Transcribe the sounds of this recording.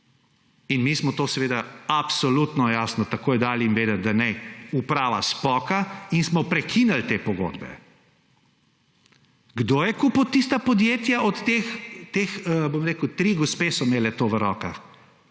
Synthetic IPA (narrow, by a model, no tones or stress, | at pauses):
inmiːsmɔt̪oːsɛʋeːd̪aapsɔlut̪nɔjaːsnɔt̪akoːjɛd̪aːlinʋeːd̪ɐt̪̚d̪anɛupɾaːʋa̰spɔkainsmɔpɾɛkʰinalt̪eːpɔɡo̰ːd̪bɛ̰ | ɡd̪oːjɛkuput̪ːist̪apɔd̪jeːt̪jaʔɔt̪t̪ːeːxt̪exəbomɾeːkwt̪ɾiɡɔspeːsɔmeːlɛt̪oʋəɾɔːka̰